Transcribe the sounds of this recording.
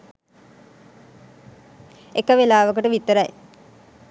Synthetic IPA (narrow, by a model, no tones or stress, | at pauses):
ekəʋelaːʋəkəʈəʋit̪ːəɾɐj